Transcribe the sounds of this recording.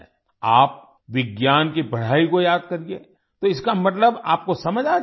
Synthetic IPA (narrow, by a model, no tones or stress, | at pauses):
aːp̚ | ʋɪɡjaːnkibɐɽ̤aːikojaːd̪̚kɐɾieː | t̪oɪskamɐt̪ləbaːp̚kosɐməd͡ʒʱaː